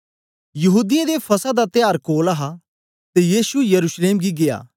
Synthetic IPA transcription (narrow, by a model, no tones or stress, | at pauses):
jɐɦuːd̪ijẽd̪epʰɐsad̪at̪ɪjaːɾkoːlɐɦa | t̪ejiːsujɐɾuːsleːmɡiɡeja̰ː